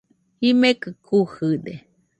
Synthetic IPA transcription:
himekɨkʰuhɨd̪e

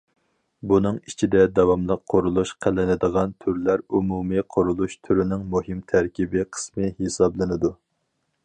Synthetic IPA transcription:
bunɨŋit͡ʃʰid̪ɛd̪ɛwɑmlˠəqʰːoɾulˠuʃqʰælɪnɪd̪əʁɑnt̪ʰyɾlæɾumumɨqʰoɾulˠuʃt̪ʰyɾynɪŋmuɦɪmt̪ʰæɾkʲʰibɪqʰə̥smɨhesɑblˠɨnɨd̪u

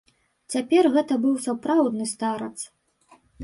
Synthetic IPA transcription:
t͡sʲapʲɛrɣɛt̪ɐbɨwsapɾawd̪nɨst̪aɾɐt̪s

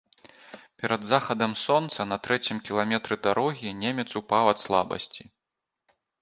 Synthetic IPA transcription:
pʲɛɾɐd̪zaxɐd̪ɐmsɔnt̪sɐnɐt̪ɾɛt͡sʲimkʲilˠamʲɛt̪ɾɨd̪aɾɔɣʲinʲemʲɛt̪supawɐt̪slˠa̰bɐ̰sʲt͡sʲi

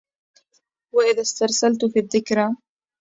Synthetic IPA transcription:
waʔɪðast̪ɑɾˤsalt̪fiːðːɪkɾa

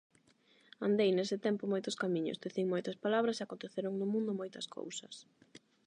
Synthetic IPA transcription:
and̪ejnesɪt̪ɛmpʊmojt̪ʊskamĩɲʊ̰sd̪eθiŋmojt̪ɐspalaβɾɐseakont̪eθeɾʊŋnʊmũnd̪ʊmojt̪ɐskʰo̰wsɐs

